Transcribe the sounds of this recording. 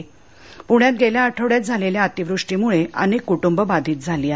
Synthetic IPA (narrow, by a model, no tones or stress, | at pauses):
puɳjãt̪̚ɡeljaːʈʰəʋɽjat̪̚d͡zʱaleljaat̪iʋɾuʂʈiːmuɭeʔa̰nikːuʈumbəbad̪ʱiːt̪̚d͡zʱaliːa